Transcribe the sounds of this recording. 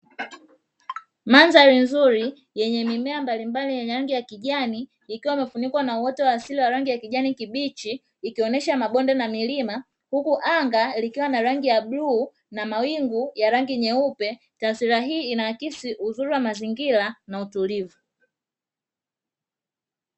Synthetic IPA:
manzaɾinzuɾi | jɛɲɛmimɛambalimbalijɛɲɛɾaŋɡijakiʄaniː | kiwaimɛfunikwanauɔtɛwaːsiliwaɾaŋɡijakiʄanikiɓit͡ʃiː | kiɔnɛʃamaɓɔndɛnamilima | hukuʔaŋɡalikiwanaɾaŋɡijaɓluː | namawiŋɡujaɾaŋɡiɲɛupɛ | taːsiɾaɦiːinawakisiʔuzuɾiwamaziŋɡilanautulivu

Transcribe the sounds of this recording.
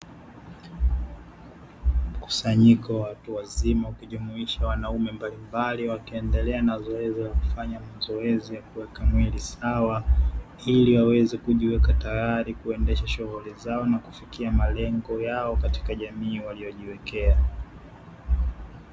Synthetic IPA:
m̩ku̥saɲikɔwawatuwazimawakuʄumuiʃawanaumɛmbalimbaliwakiɛndɛlɛanazɔɛzilaku̥faɲamazɔɛzijakuwɛkamwilisawa | iliwawɛzɛkuʄiwɛkatajaɾikuɛndɛʃaʃuɣulizaɔnaku̥fikiamalɛŋɡɔjaɔkati̥kaʄamiːwalijɔʄiwɛkɛa

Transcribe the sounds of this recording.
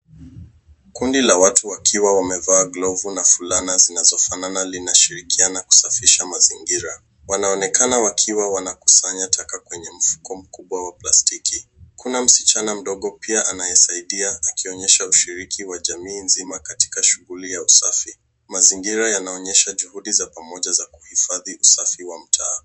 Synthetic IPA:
kundilawatuwakʰiwawamɛvaːɡlɔvunafulanazinazɔfananalinaʃiɾikianaku̥safiʃamaziŋɡiɾa | wanaɔnɛkanawakʰiwawanaku̥saɲatʰakakwɛɲɛm̩fu̥kɔm̩kuɓwawaplastikikunam̩si̥t͡ʃanam̩ɗɔɠɔpiaʔanajɛsaiɗiaakiɔɲɛʃauʃiɾikʰiwaʄamiːnzimakati̥kaʃuɣulijausafi | maziŋɡiɾajanaɔɲɛʃaʄuhuɗizapamɔʄazaku̥hifaðiʔusafiwam̩tʰaː

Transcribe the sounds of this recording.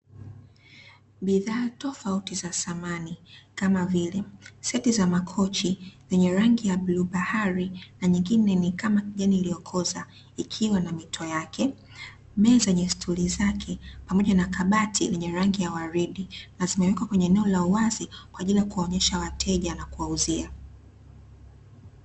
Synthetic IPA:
ɓiðaːtɔfautizasamanikamavilɛsɛtizamakʰɔt͡ʃizɛɲɛɾaŋɡijaɓluɓahaɾinaɲiŋɡinɛnikamakiʄaniːlijɔkʰɔza | ikʰiwanamitʰɔjakʰɛ | mɛːzɛɲɛstʰulizakʰɛpamɔʄanakaɓatʰilɛɲɛɾaŋɡijawaɾiɗinazimɛwɛkwakwɛɲɛːnɛɔlauwazikwaːʄilijakuaɔɲɛʃawatʰɛʄanakuwauzia

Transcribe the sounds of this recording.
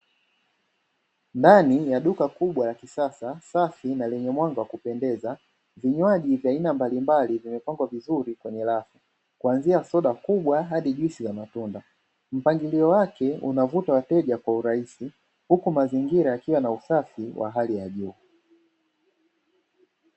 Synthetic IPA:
ndanijaɗukakuɓwalakisasasafinalɛɲɛmwaŋɡawakupɛndɛza | viɲwaʄivjainambalimbalivimɛpaŋɡwavizuɾikwɛɲɛlafa | kuanziasɔɗakuɓwaɦaɗiʄwisizamatunda | m̩paŋɡiliɔwakɛṵnavutawatɛʄakwauɾaisi | hukumaziŋɡiɾaakiwanausafiwʔa̰ɦalijaʄuː

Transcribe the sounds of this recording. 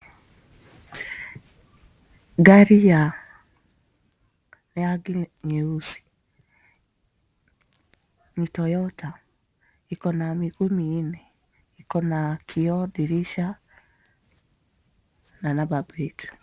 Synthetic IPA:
ɡaɾija | neaɡiɲeusi̥ | mitɔjɔta | ikɔnamiɣomine | ikɔnakʰiɔdiɾiʃa | nanababɾitu̥

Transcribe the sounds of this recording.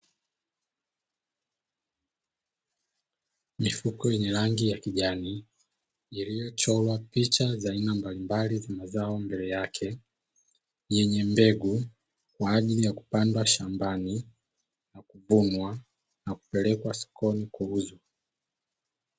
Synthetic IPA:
mifukɔjɛɲɛɾaŋɡijakiʄani | ilijɔt͡ʃɔlwapit͡ʃazainambalimbalizamazaɔmbɛlɛjakʰɛ | jɛɲɛmbɛɡu | kwaːʄilijaku̥pandwaʃambani | nakuvunwa | naku̥pɛlɛkwasɔ̥kɔnikwɔuzɔ

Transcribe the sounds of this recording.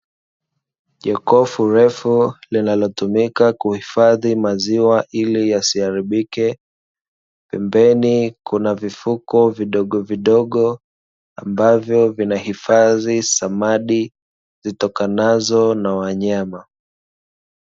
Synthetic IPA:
ʄɛkɔfuɾɛfulinalɔtumikakuhifaðimaziwaʔilijasiaɾiɓikɛ | pɛmbɛnikunavifukɔviɗɔɠɔviɗɔɠɔ | ambavjɔvinahifaðisamaɗi | zitɔkanazɔnawaɲama

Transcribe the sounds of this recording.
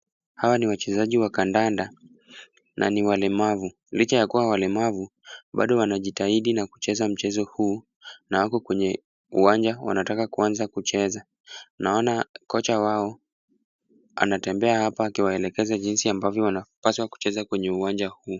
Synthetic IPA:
hawaniwat͡ʃɛzaʄiwakandanda | nʔa̰niwalɛmavu | lit͡ʃajakuwawalɛmavu | ɓa̰ɗɔwanaʄitaiɗinaku̥t͡ʃɛzam̩t͡ʃɛzɔhuː | nawakɔkwɛɲɛ | uwand͡ʒawa̰natakakuanzakut͡ʃɛza | naɔnakɔt͡ʃawaɔ | a̰natɛmbɛahapaːkiwaɛlɛkɛzaʄinsiambavjɔwanapaswaku̥t͡ʃɛzakwɛɲɛuwand͡ʒahuː

